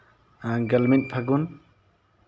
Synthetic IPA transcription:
aɡalment̚pʰaɡun

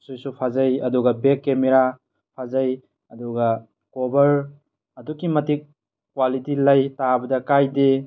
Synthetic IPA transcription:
sojsupʰazɐjɐduɡɐbekːemeɾa | pʰazɐj | ɐduɡɐ | kobɐɾ | ɐdukimɐtik̚ː | walitilɐjtabɐdɐkajde

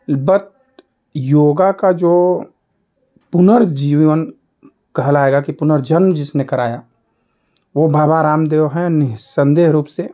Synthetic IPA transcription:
bət̪ | joːɡakad͡ʒoː | pʊnəɾd͡ʒiːʋən | kɐɦlaːeːɡakipʊnəɾd͡ʒənmd͡ʒɪsnekɐɾaːja | ʋobʱaːbaɾaːmd̪eːoɦɛnɪsə̃nd̪eːɦɾuːpse

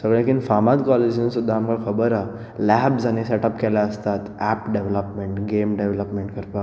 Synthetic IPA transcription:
səɡɭẽkinfamat̪kɔled͡ʑinsud̪ʱːaːmkakʰəbəɾa | lɛbsañiseʈəpkɛlaəst̪at̪ɛpɖeʋləpmeɳʈɡemɖeʋləpmeɳʈkəɾpa

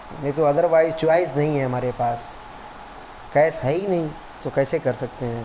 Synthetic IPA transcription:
net̪oɐd̪əɾʋaːɪzt͡ʃʊʋaːɪsnɐɦĩɦɛ̃ɦɐmaːɾepaːs | kɛːsɦɐinɐɦĩ | t̪okɛːsekɐɾsɐk̚t̪eɦɛ̃ː

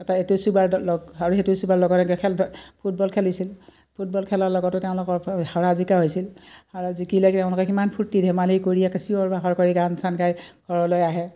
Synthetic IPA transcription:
ɛtaetusubaɹlɔɡaɹuetusubaɹlɔɡɔɔɛkʰɛlpʰut̚bɔlkʰɛlisil | pʰut̚bɔlkʰɛlaɹlɔɡɔtʊteʊ̃lʊkɔɹhaɹazikaɦojsilhaɹazikilɛtɛʊ̃lʊkɛkimanpʰutːidʱɛmalijkoɹijɛkesiɔɹbʱaɦɔɹkoɹiɡansankajɡ̥ʱɔɹɔlɔjaɦɛ

